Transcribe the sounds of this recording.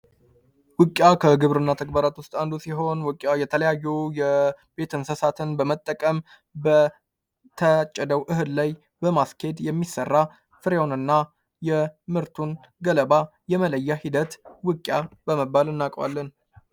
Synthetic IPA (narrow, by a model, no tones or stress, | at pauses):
wɨkʼjakʰəɡɨβɾɨnːat̪ʰəɡ̚baɾat̪wʊst̪ʼand̪usiɦo̞nwɨkʼjajɛt̪ʰələjajːujɛ | b̥e̞t̪ʰɨnsəsat̪ʰɨnbəmət̪ʼːəkʼəm | bə | t̪ʰət͡ʃʼːɛd̪əwʔɨɦɨllaj | bəmaskʰe̞d̪jɛmːisːərːa | fɨɾeonɨnːa | jɛmɨɾt̪ʰun | ɡələbajɛmələjːahid̪ət̪wɨkʼjabəməbːalɨnːakʼwa̰lːən